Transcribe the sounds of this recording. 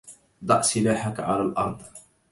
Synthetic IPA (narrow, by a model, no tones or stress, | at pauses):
d̪ˤɑ̰ʕsɪlaːħakʕa̰lalʔɑ̰ɾˤd̪ˤ